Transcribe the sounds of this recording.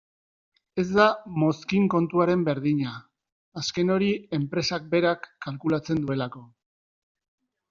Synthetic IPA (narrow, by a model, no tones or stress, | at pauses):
e̞zd̪amo̞skiŋko̞nt̪uaɾe̞mbe̞ɾðiɲaː | ske̞no̞ɾie̞mpɾe̞sak̚be̞ɾakːalkulat͡se̞nd̪ue̞lako̞